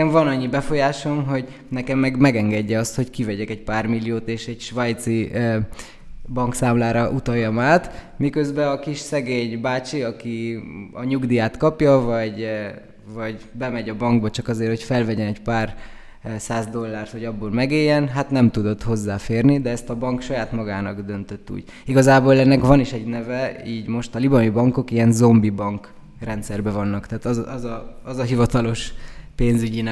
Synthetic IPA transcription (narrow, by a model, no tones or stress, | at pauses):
ɛɱvɒnɒɲːibɛfo̞jaːʃo̞mɦo̞ɟ | nɛkɛmːɛɡmɛɡɛŋɡɛɟːɛɒst̪ho̞ckivɛɟɛkɛc̚paːrmilːijoːt̪eːʃɛɟʃʋɒjt̪si | bɒŋksaːmlaːɾɒʔut̪ɒjːɒmaːt̪ | mikøzbɛɒkiʃsɛɡeːɲbaːt͡ʃiɒkiɒɲuɡd̪ijaːt̪kɒpjɒvɒɟ | vɒɟbɛmɛɟɒbɒŋɡbɒt͡ʃɒkɒzeːrhocfɛlvɛɟɛnɛcpaːr | saːzd̪o̞lːaːrt̪ho̞ɟɒbːoːlmɛɡeːjːɛnɦat̪nɛmt̪ud̪o̞t̪ho̞zːaːfeːrnid̪ɛɛst̪ɒbɒŋkʃɒjaːt̪mɒɡaːnɒɡd̪ø̞nt̪øt̪ːṵːɟ̥ | iɡɒzaːboːlɛnːɛkvɒniʃɛɟnɛvɛiːɟmo̞ʃt̪ɒlibɒmibɒŋko̞kiɛnzo̞mbibɒŋk | rɛnt̪sɛrbɛvɒnːɒkt̪ɛːt̪ɒzɒzɒɒzɒɦivɒt̪ɒlo̞ʃpeːnzyɟinɛ